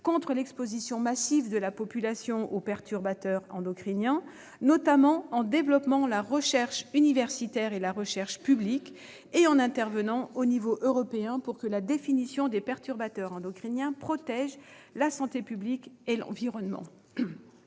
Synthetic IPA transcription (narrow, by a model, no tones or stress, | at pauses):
kɔ̃t̪χəlɛkspozisjɔ̃masivd̪əlapɔpylasjɔ̃ʔopɛʁt̪yʁbat̪œʁɑ̃d̪ɔkχinjɛ̃ | nɔt̪amɑ̃ɑ̃d̪evlɔpmɑ̃laʁəʃɛʁʃynivɛʁsit̪ɛʁelaʁəʃɛʁʃpyblik | eɑ̃nɛ̃t̪ɛʁvənɑ̃onivoʔøʁɔpeɛ̃puʁkəlad̪efinisjɔ̃d̪epɛʁt̪yʁbat̪œʁɑ̃d̪ɔkχinjɛ̃pχɔt̪ɛʒ | lasɑ̃t̪epyblikelɑ̰̃viʁɔnmɑ̰̃